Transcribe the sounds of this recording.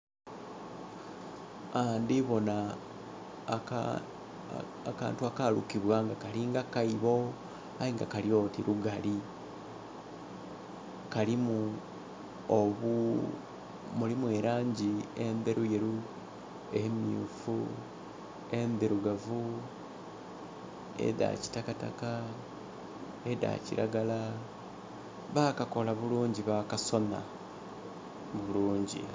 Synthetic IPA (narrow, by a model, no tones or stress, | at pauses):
andiβo̞na | aka̰ːntuakaɾukiβwaːŋɡakaliŋɡakaiβo̞ | aiŋɡakaljo̞tiɾuɡali | kalimu | oβu | mulimwe̞ːɾaːɲɟie̞mbeɾujeɾu | emiṵfu | e̞mbeɾuɡavu | ḛða̰ci̥takata̰ka | eda̰ciɾʔa̰ɡala | βakako̞laβuluːɲɟiβakaso̞na̰ | βuluːɲɟḭ